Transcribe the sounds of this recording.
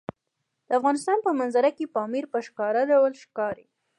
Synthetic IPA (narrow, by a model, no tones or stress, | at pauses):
d̪̥əafɣɑnɪst̪ɑnpəmanzaɾakepɑmiɾpəʃkɑɾadawlʃkɑɾi